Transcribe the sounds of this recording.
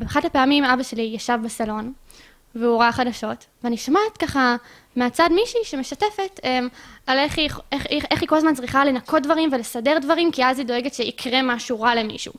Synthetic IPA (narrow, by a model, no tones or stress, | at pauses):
beaχatapeamimabaʃe̞lijaʃavbesalo̞n | veuʁaχadaʃo̞t | veaniʃamatkaχa | meat͡sadmiʃiʃemeʃatefe̞temaleχieχeχiko̞lazmant͡sʁiχale̞nakʰot̚dvaʁimvelesade̞ʁdvaʁimkiazido̞eɡetʃeikʰʁe̞maʃuʁale̞mḭʃṵ